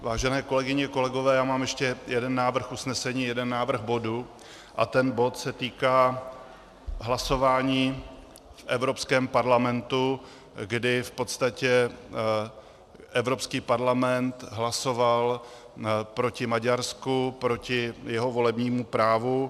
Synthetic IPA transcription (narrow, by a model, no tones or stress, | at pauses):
vaːʒɛnɛːko̞lɛɡɪɲɛko̞lɛɡovɛːjaːmaːmjɛʃcɛjɛdɛnːaːvr̩xusnɛsɛɲiːjɛdɛnːaːvr̩xbo̞du | ʔa̰t̪ɛnbo̞t̪sɛt̪iːkaː | ɦlaso̞vaːɲiː | fʔɛvɾo̞pskɛːmpaɾlamɛnt̪u | ɡdɪfpo̞t̪st̪acɛ | ʔɛvɾo̞pskiːpaɾlamɛnt̪ɦlaso̞val | pɾo̞cɪmaɟaɾskupɾo̞cɪjɛɦo̞vo̞lɛbɲiːmupɾaːvu